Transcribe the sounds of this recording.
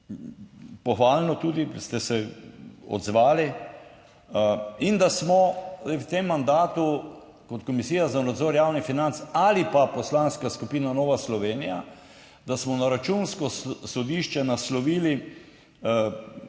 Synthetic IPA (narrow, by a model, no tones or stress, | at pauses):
pɔxʋaːlnɔt̪uːd̪ist̪ɛsɛ | ɔ̰d̪zʋaːli | ind̪asmɔwt̪emːand̪aːt̪u | kɔt̪kɔmisiːjazanad̪zɔːɾjaːwnifinant̪salipapɔslanskaskupiːnanɔːʋaslɔʋeːnija | d̪asmɔnaɾat͡ʃunskɔsɔd̪iːʃt͡ʃɛnaslɔʋiːli